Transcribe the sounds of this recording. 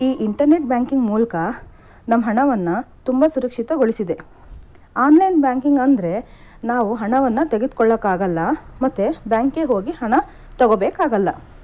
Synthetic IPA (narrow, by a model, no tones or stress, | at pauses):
iːʔiɳʈɐɾne̞ʈ̚bʲjaːŋkiŋɡmuːlɐkɐ | nɐmːɐɦɐɳɐʋɐnːɐt̪umbɐsuɾɐkʂit̪ɐɡoɭisid̪e̞ | aːnlɐjnbjaːŋkiŋɡɐnd̪ɐɾe̞naːʋuɦɐɳɐʋɐnːɐt̪eɡed̪kɔɭːɐkaːɡɐlːɐmɐt̪ːebjaːŋkeɦo̞ːɡihɐɳɐ | t̪ɐɡobeːkaːɡɐlːɐ